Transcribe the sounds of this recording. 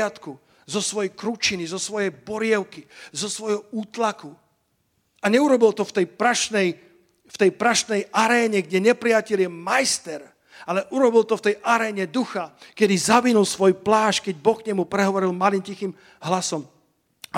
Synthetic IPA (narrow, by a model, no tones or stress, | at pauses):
at̪ku | zɔsʋɔjɛjkɾut͡ʃinizɔsʋɔjɛjbɔɾɪɛʊkizɔsʋɔjɦɔuːt̪laku | aɲɛuɾɔbilt̪ɔft̪ɛjpɾaʃnɛj | ft̪ɛjpɾaʃnɛjʔaɾɛːɲɛɡɟɛɲɛpɾɪacɛlɪjɛmajst̪ɛɾ | alɛʔuɾɔbilt̪ɔft̪ɛjʔaɾɛːɲɛd̪uxakɛd̪izaʋinulˠsʋɔjplaːʃkɛɟ̚bɔxkɲɛmupɾɛɦɔʋɔɾilmalimcixim | ɦlasɔm